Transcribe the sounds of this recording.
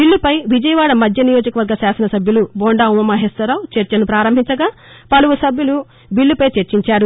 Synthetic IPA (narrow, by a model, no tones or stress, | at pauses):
biɭːupɐjʋid͡ʒɐjɐʋaːɽɐmɐd̪ʱjɐnijoːd͡ʒɐkɐʋɐɾɡɐsaːsɐnɐsɐbʱjuluboːɳɖaːumɐmɐɦest̪ɐɾaːwt͡ʃeɾt͡ʃɐnupɾaːɾɐmbʱiɲt͡ʃɐɡaː | pɐluʋusɐbʱjulu | biɭːupɐjt͡ʃeɾt͡ʃiɲt͡ʃaːɾu